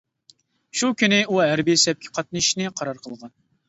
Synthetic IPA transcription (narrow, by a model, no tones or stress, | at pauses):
ʃukʲynɪʔuɦæɾbisɛp̚kʲʰi̥qʰɑt̪̚nɨʃnɪqʰɑɾɑɾqʰəlˠʁɑn